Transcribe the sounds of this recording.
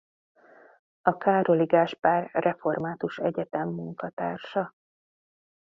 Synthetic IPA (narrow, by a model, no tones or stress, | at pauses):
ɒkaːɾoliɡaːʃpaːrrɛfo̞rmaːt̪uʃɛɟɛt̪ɛmːuŋkɒt̪a̰ːrʃɒ